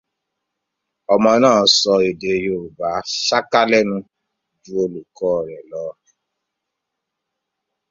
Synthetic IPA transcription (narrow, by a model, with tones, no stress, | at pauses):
ɔ˨mɔ̃˧˦nãː˦˨˦sɔ˧e˨de˨joː˨ba˨˦ʃa˦ka˦lɛ˦nũ˧ | d͡ʒu˦o˦lu˨kɔː˦˨ɾɛ˨lɔː˨˦˨